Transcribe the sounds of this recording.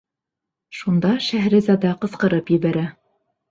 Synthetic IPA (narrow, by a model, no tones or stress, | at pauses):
ʃund̪ɑʃæhɾɘ̆zɑd̪ɑqɤ̆sqɤ̆ɾɤpjɘ̆βæɾæ